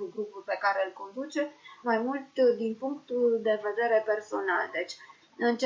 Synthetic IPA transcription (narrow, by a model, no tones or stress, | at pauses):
uɡɾupulpe̞kaɾeɨlko̞nd̪ut͡ʃe̞majmult̪d̪inpuŋkt̪uld̪e̞ve̞d̪e̞ɾe̞pe̞rso̞na̰ld̪e̞t͡ʃʲ | ɨnt͡ʃ